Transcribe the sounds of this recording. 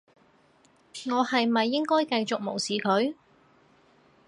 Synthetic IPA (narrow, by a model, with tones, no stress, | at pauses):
ŋɔː˨˧hɐ˨jmɐ˨jːɪ˥ŋkɔː˥jkɐ˧jt͡sʊ˨k̚mo̰˨˩wsiː˨kʰɵ˨˥ɥ